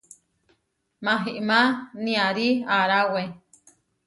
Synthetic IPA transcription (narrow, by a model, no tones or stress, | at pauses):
mãɦiʔmãnĩaɾiaɾawe